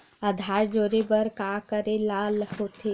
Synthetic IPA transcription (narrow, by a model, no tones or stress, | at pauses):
əd̪ʱaːɾd͡ʒoːɾebəɾkakəɾelalhot̪ʰe